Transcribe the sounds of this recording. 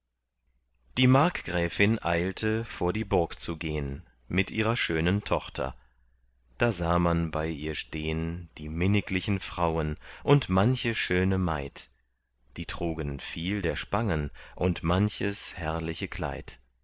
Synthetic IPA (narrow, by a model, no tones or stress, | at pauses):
d̥iːmaɐkɡ̥ʁɛːfɪnʔaɪltʰəfoːɐdiːbʊɐkt͡suɡeːən | mɪtʔiːʁɐʃøːnəntʰɔχtʰɐ̰ | d̥aːzaːmanbaɪʔiːɐʃteːənd̥iːmɪnɪklɪçn̩fʁ̥aʊənʔʊntmançəʃøːnəma̰ɪt | d̥iːtʁ̥uːɡənfiːldeːɐʃpaŋənʔʊntmançəshɛɐlɪçəkʰl̥a̰ɪt